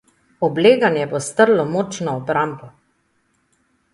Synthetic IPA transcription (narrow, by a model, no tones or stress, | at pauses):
ɔbleːɡanjɛbost̪əɾlɔmot͡ʃnɔɔbɾambɔ